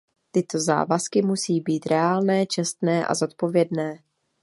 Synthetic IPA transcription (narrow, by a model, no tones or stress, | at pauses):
t̪ɪt̪o̞za̰ːvaskɪmusiːbiːt̪ɾɛaːlnɛːt͡ʃɛst̪nɛːʔa̰zo̞t̪̚po̞vjɛdnɛː